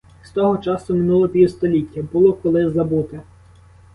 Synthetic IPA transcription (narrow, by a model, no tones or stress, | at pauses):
st̪ɔɦɔt͡ʃɑsʊmɪnulˠɔpʲiwst̪ɔlʲitʲːɐbulˠɔkɔlˠɪzɐbut̪ɪ